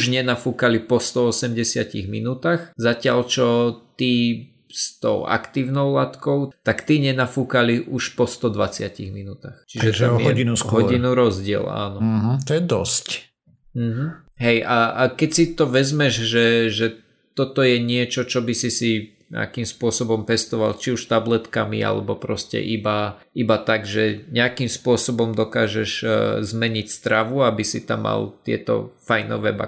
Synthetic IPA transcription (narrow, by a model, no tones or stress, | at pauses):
ʒɲɛnafuːkalipɔst̪ɔɔsɛmɟɛsɪacḭɣmḭnuːt̪axzacɪalt͡ʃɔt̪i | st̪ɔ̰ʊa̰kt̪iːʊnɔʊlat̪kɔʊt̪akt̪iɲɛnafuːkaliʔuʃpɔst̪ɔd̪ʋat͡sɪacḭɣminuːt̪axt͡ʃiʒɛt̪amjɔɟinusɦɔɟinuɾɔzɟɪɛ̰la̰ːnɔɦ̩t̪ɔjɛd̪ɔsc | m̩ɦ̩ | ɦɛjʔaakɛcsit̪ɔʋɛzmɛʒʒɛʒɛ | t̪ɔt̪ɔjɛɲɪɛt͡ʃɔt͡ʃɔbisisi | ɲɛ̰akimspʊɔsɔbɔmpɛst̪ɔʋa̰lt͡ʃiuʃt̪ablɛt̪kamḭa̰lɛ̰bɔpɾɔscɛ̰ʔiba | ibat̪aɡʒɛɲɛakimspʊɔsɔbɔmd̪ɔkaːʒɛʒzmɛɲicst̪ɾaʋuabisit̪amːa̰lt̪ɪɛ̰t̪ɔ̰fajnɔ̰ʋɛ̰ba̰